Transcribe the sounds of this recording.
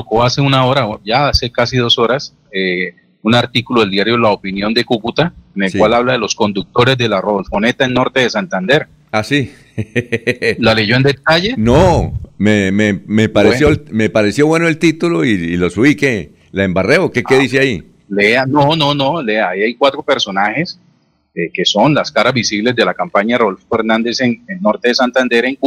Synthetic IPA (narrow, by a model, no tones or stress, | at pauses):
t̪oko̞ase̞unao̞ɾaʝaase̞kasiðo̞so̞ɾas | e | unaɾt̪ikuloðeld̪jaɾjo̞laopinjo̞nd̪e̞kukut̪aene̞lwalaβlaðe̞lo̞sko̞nd̪uk̚t̪o̞ɾe̞zd̪e̞laroðolfo̞ne̞t̪aenno̞ɾt̪e̞ðesant̪and̪e̞ɾ | asi | laleʝo̞end̪et̪aʝe̞nomememepaɾesjomepaɾe̞sjo̞βwe̞noelt̪it̪uloiːlo̞suβike | laembareokekeðiseai | leanononoleaiajkwat̪ɾo̞pe̞ɾso̞nahe̞s | eke̞so̞nlaskaɾazbisiβle̞zd̪e̞lakampaɲaroolfofeɾnãnd̪e̞senenːo̞ɾt̪e̞ðesant̪and̪e̞ɾeŋk